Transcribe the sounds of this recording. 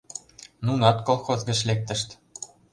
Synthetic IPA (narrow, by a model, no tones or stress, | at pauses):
nunɑt̪kolˠxozɡɤ̆t͡ɕlʲek̚t̪ə̆ʃt̪ʲ